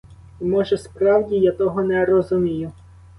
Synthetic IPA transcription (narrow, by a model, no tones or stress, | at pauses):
imɔʒɛspɾɑwdʲijat̪ɔɦɔnɛɾɔzʊmʲijʊ